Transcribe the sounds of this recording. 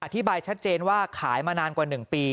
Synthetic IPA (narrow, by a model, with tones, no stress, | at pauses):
ʔa˧t̪ʰi˦˥baː˧jt͡ɕʰa˦˥t̪̚t͡ɕeː˧nwaː˥˩kʰaː˩˦jmaː˧naː˧nkwaː˨˩nɯ˨˩ŋpiː˧